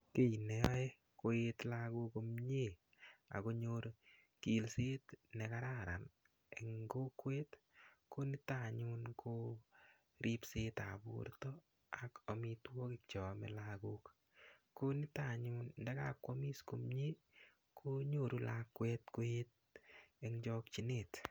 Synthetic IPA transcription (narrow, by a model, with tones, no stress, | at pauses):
ke˦i˨nɛ˨ɔ˦e˦ | ko˦et̪laɡu˦ko˧mɲe˦˨ | a̰˨ko˦ɲo˦ɾ | ki˨lse˦tne˨ka˦ɾa˦ɾa̰˨n | e˨ŋɡo˦kwe˦t̪ | ko˦nɪ˦ta˨ɲu˦nkʰo˦ | ɾʔi˦pseː˦ta̰˨bṵɾtɔ˦ | a˨ko˨mi˧twɔ˦kɪk̚t͡ʃɔ˨mɛ̰˨laɡu˦k | ko˦nɪ˦ta˨ɲunndɛ˦ka˦kwɔ˦mi˦sko˨mɲe˦ | kʰo˦ɲo˦˨ɾu˦lakːwe˦tko˦e˦t̚e˧ŋd͡ʒɔ˦k̚t͡ʃi˨net